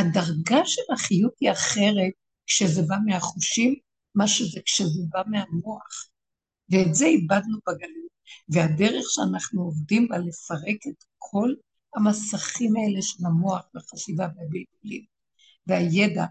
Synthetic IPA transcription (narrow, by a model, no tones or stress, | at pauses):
hadaʁɡaʃelaχijutiaχe̞ʁe̞t̚ | kʃezebameaχuʃimː | aʃezekʃezebamehamoaχ | veːtzeibad̪nubaɡalutveade̞ʁeχʃeanaχnuovdimbalefaʁe̞ket̪kʰo̞l | amasaχimae̞leʃelamo̞aχveχaʃivaveabiltulim | veajeda